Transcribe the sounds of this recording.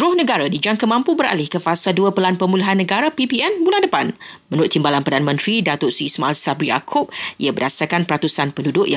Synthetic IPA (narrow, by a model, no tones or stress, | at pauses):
ɾʊhnəɡaɾadid͡ʒaŋkəmãmpubəɾa̰lɪhkəfasalduəpəlanpəmuliɦanːəɡaɾapipiɛnbunãndəpan | mənuɾʊt̪ːimbalanpərdanəmə̃nt̪ɾidat̪ʊrsismaalsabɾia̰kʰʊp̚ʔḭabədasakanpəɾat̪usanpəndudʊʔja